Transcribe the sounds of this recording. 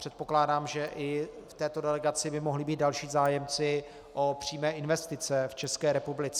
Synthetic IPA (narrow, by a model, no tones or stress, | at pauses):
r̥ɛt̪̚po̞klaːdaːmʒɛʔɪft̪ɛːt̪odɛlɛɡat͡sɪbɪmoɦlɪbiːt̪̚dalʃiːzaːjɛmt͡sɪ | ʔopr̝̥iːmɛːʔɪnvɛst̪ɪt͡sɛft͡ʃɛskɛːɾɛpublɪt͡sɛ